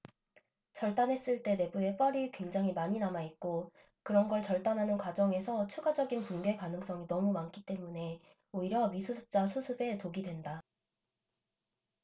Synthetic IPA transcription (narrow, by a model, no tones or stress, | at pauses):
t͡ɕʌɭt͈anɦe̞s͈ɯɭt͈e̞ne̞bue̞p͈ʌɾikwe̞ŋd͡ʑaŋɦimaɲinamait̚k͈o | kɯɾʌnɡʌɭt͡ɕʌɭt͈anɦanɯnkwad͡ʑʌŋe̞sʰʌt͡ɕʰuɡad͡ʑʌɡinpunɡe̞kanɯŋs͈ʌŋinʌmumank͈ʰit͈e̞mune̞ | oiɾjʌmisʰusʰɯ̥p̚t͡ɕ͈asʰusʰɯbe̞toɡidwe̞nda